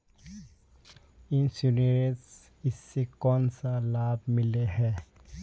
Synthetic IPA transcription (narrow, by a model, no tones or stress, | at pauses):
ɪ̃nsuniɾes | ɪsːekɔːnsalaːbmɪleɦɛː